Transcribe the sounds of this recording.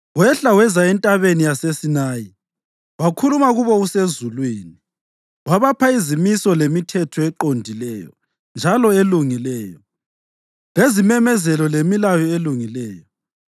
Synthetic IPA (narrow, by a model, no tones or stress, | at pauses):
wɛɬawɛzaɛntʼaβenijasesinaːji | wakʰulumaɣuβɔusezulwiːni | waβapʰaizimisɔlemitʰɛtʰɔɛǃondʱilɛjɔ̰ | nd͡ʒʱalɔeluŋilɛːjɔ | lezimɛmɛzɛlɔlemilajɔeluŋilɛːjɔ